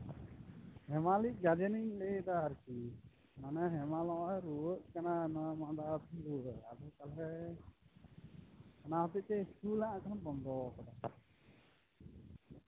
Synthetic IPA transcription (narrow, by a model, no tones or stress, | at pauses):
hɛmaliʔ̚ˀɡad͡ʒɛniɲlɛd̪aaɾki | nanɛɦɛmalɔʔɛɾuəʔ̪̚kananamad̪at̪ʰiɾuəad̪kalɦɛ | anaɦɔt̪ic̚t̪ɛistulaʔãkanabɔnd̪ɔkad̪a